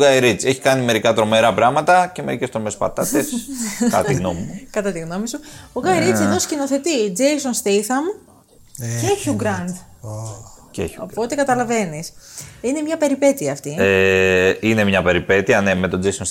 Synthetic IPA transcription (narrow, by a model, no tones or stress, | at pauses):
ɡɐjɾit͡seçi̥kɐnime̞ɾikɐt̪ɾo̞meɾɐpɾɐmɐt̪ɐce̞me̞̰ɾicest̪ɾomespɐ̰t̪ɐt̪eskɐt̪iɣnomikɐt̪ɐt̪iɣno̞misuoɡɐjɾit͡senoscino̞θe̞t̪id͡zejsonst̪eθɐm | eçioɡɾɐndd̪ | cḛçoopo̞t̪e̞kɐt̪ɐlɐve̞nisine̞mɲɐpe̞ɾipe̞t̪iɐːft̪ie | ine̞mɲɐpe̞ɾipe̞t̪iɐne̞me̞t̪o̞d͡zejsons